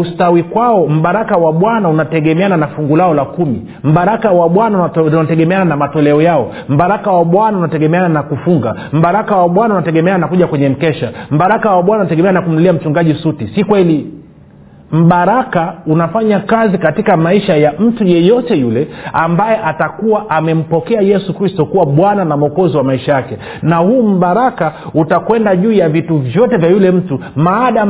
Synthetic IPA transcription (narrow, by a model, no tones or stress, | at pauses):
ustawikwaɔm̩ɓaɾakawaɓwanaunatɛɠɛmɛananafuŋɡulaɔlakumḭ | m̩ɓaɾakawaɓwananatɛɠɛmɛananamatɔlɛɔjaɔ | m̩ɓaɾakawaɓwanaunatɛɠɛmɛananakufuŋɡa̰ | m̩ɓaɾakawaɓwanaunatɛɠɛmɛananakuʄakwɛɲɛm̩kɛʃam̩ɓaɾakawaɓwanaunatɛɡɛmɛaanakum̩liam̩t͡ʃuŋɡaʄisutisikwɛli | m̩ɓaɾakaunafaɲakazikatikamaiʃajam̩tujɛjɔtɛjulɛambajɛʔatakuwaʔamɛm̩pɔkɛajɛsukɾistɔkuwaɓwananamɔkɔziwamaiʃajakɛ | nahuːm̩ɓaɾakautakwɛndaʄuːjavituvjɔtɛvjajulɛm̩tumaːɗa